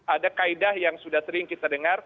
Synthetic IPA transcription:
adakaidahjaŋsudaht̪əɾiŋkit̪adəŋar

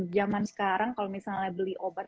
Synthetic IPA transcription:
d͡ʒamansə̥kaɾaŋkalomisallɲabəliʔobat̪̚

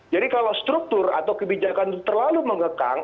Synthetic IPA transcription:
d͡ʒadikalawst̪ɾuk̚t̪ʊra̰t̪awkəbid͡ʒakant̪ərlaluməŋəka̰ŋ

